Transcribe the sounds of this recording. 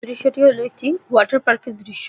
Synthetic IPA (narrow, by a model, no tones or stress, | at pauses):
ɾiʃːoʈiɦoloek̚ʈiwɔʈaɾpaɾkeɾd̪ɾiʃːo